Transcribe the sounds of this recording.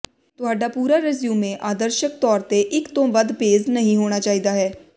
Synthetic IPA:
t̪ʊɦaːɖaːpuːɾaːɾɪzjũːmẽːʔaːd̪əɾʃək̚t̪ɔːɾt̪eʔɪkt̪õːʋəd̪peːznəɦĩɦoːɽ̃aːt͡ʃaːiːd̪aːɦɛː

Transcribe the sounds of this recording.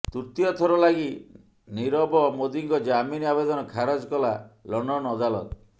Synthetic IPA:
t̪uɾt̪iɔt̪ʰɔɾɔlaɡi | niɾɔbɔmod̪iŋkɔd͡ʒaminiabed̪ɔnɔkʰaɾɔd͡ʒkɔlalɔɳɖɔnɔɔd̪alɔt̪ɔ

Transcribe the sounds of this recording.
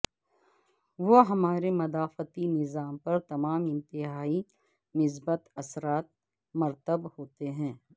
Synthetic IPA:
ʋoɦɐmaːɾemɐd̪aːfət̪inɪzaːmpɐɾt̪ɐmaːmɪ̃nt̪ɪɦaːi | nɪs̬bət̪ɐsɾaːt̪̚ | mɐɾt̪əbhoːt̪eɦɛ̃ː

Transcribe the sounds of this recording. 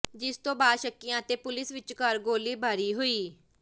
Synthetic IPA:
d͡ʒɪst̪õːbaːd̪ʃəkːɪjãːət̪eːpʊlɪsʋɪt͡ʃkəɾɡoːliːbʱaːɾiːɦoiː

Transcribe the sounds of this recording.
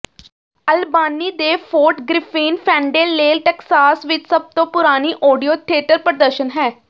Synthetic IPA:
əlbaːniːd̪eːpʰoːɾʈɡɾɪfʰiːnpʰɛ̃ːɳɖeːlːeːlʈɛːksaːsʋɪt͡ʃsəb̚t̪õːpʊɾaːniːʔɔːɖijoːt̪ʰɪeːʈəɾpəɾd̪əɾʃənɦɛː

